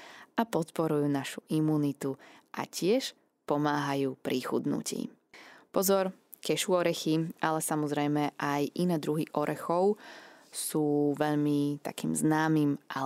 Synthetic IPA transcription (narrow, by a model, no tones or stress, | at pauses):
apɔt̪pɔɾujuːnaʃu̥ʔimuːnit̪uʔa̰cɪɛʃ | pɔmaːɦajuːpɾixṵd̪nṵcḭː | pɔzɔɾ | kɛʃuɔɾɛxiʔalɛsamɔzɾɛjmɛʔajʔinɛːd̪ɾuɦiʔɔɾʔɛxɔʊsuːʋɛʎmit̪a̰kiːmznaːmiːmʔa